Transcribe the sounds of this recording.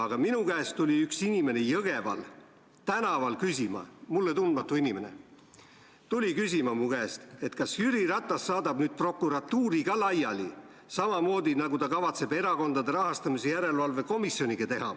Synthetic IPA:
ɑɡ̥ɑminukæest̪t̪ulʲiyksinime̞nejɤɡ̥e̞vɑ̰l | t̪ænɑvɑlkysʲimɑ̰mulːe̞t̪und̪̚mɑt̪ːˑuinime̞ne̞̰ | t̪ulʲikys̬ʲimɑmukæːst̪e̞t̪kɑsjyɾiɾɑt̪ːˑɑsːɑːd̪ɑb̥nyːd̪̥̚pro̞kːˑuɾɑt̪ːuːɾiɡ̥ɑlɑjɑli | sɑmɑmo̞ːd̪inɑɡut̪ɑkɑvɑt̪se̞be̞ɾɑko̞nd̪̥ɑd̪e̞ɾɑɦɑst̪ɑmisejæɾe̞lvɑlve̞ko̞misjo̞niɡ̥ɑt̪e̞hɑ̰

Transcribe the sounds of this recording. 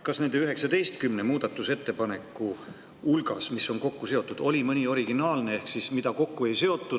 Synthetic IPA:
kɑsne̞nd̪̥eyɦe̞ksɑd̪e̞jst̪kymnemuːd̪̥ɑt̪ːˑuse̞t̪ːepɑne̞kːˑu | ulɡ̥ɑsmisːo̞nko̞kːuse̞o̞t̪ːˑud̪̥o̞lʲimɨnʲio̞ɾiɡinɑːlne̞ehksismid̪̥ɑko̞kːue̞jse̞o̞t̪ːˑu

